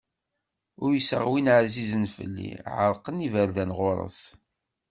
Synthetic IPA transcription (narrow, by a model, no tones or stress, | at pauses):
ʊɾjəsə̰ʁwinʕzizənfə̰lːḭʕəɾˤqənivəɾðænʁʊɾˤə̰s